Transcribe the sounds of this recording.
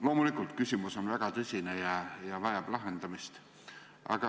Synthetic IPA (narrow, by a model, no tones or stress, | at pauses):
lo̞ːmulikˑult̪kysʲimuso̞nvæɡ̥ɑt̪ɤsʲinejɑjɑvɑjɑb̥lɑɦend̪ɑmist̪ | ʔɑ̰ɡ̥ɑ